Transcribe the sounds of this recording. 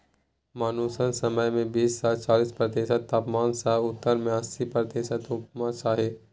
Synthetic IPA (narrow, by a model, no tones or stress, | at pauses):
maːnuːsənsəməjmẽbiːssaːst͡ʃaːliːspɾɐt̪eːʃət̪ːaːpmaːnsaɦʊt̪ːəɾmẽəsipɾɐt̪eːʃət̪ʊpmat͡ʃaːɦeː